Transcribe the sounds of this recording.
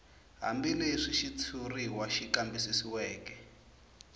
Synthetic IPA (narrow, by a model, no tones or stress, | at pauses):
ɦa̰mbileʂiʃit͡sʰuriwaʃikambisisiwɛːkɛ